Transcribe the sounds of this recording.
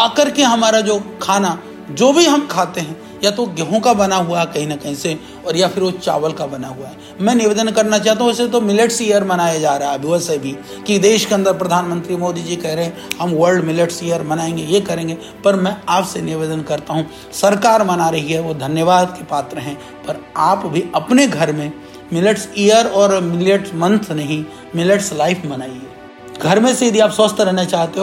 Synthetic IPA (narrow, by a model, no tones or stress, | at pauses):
ɐkɐɾkeɦɐmaːɾad͡ʒoːkʰaːna | d͡ʒoːbʱiɦɐmkʰaːt̪eɦɛ̃ | jat̪oɡɛɦõkabɐnaɦuakɐɦĩnɐkɐɦĩse | ɔːɾjafɪɾʋot͡ʃa̰ːʋəlkabɐnaɦuaɦɛ | mɛ̃ːnɪʋeːd̪ənkɐɾnat͡ʃaːɦt̪aɦũʊsset̪omɪleʈsijəɾmɐnaːjad͡ʒaːɾaɦabʱɪʋəsəjbʱi | kid̪eːʃkeɐ̃nd̪əɾpɾɐd̪ʱaːnmə̃nt̪ɾimoːd̪id͡ʒikɛɦɾɐɦɛ̃ | ɦɐmʋəɾɖmɪleʈsijəɾmɐnaːẽːŋɡejekɐɾẽːŋɡe | pɐɾmɛ̃aːpsenɪʋeːd̪ənkɐɾt̪aɦũ | sɐɾkaːɾmɐnaɾɐɦiɦɛʋod̪ʱɐnjəʋaːd̪kepaːt̪ɾəɦɛ̃ | pɐɾaːpbʱiɐpneɡʱɐɾmẽ | mɪleʈsijəɾɔːɾmɪleʈsmɐ̃nt̪ʰnɐɦĩ | mɪleʈslaːɪfʰmɐnaːĩe | ɡʱɐɾmẽsid̪ʱiaːpsəst̪ʰɾɛɦnat͡ʃaːɦt̪eɦ